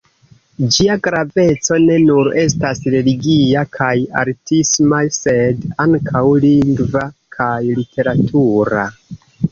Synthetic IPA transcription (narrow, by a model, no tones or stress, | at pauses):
d͡ʒiaɡɾave̞t͡so̞ne̞nuɾe̞stasɾe̞liɡiakʰaja̰ɾtismase̞daŋkʰawliŋɡvakʰajlitʰe̞ɾatʰuɾa